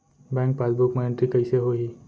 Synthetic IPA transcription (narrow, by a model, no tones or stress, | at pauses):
bɛ̃ːŋk̚paːlbʊkmə̃ɳʈɾikəɪseɦoi